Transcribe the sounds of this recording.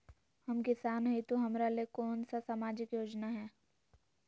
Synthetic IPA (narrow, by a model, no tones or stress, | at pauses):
hɐmkɪsaːnɦit̪oɦɐmɾalekɔːnsasamaːd͡ʒɪkjoːd͡ʒnaɦɛː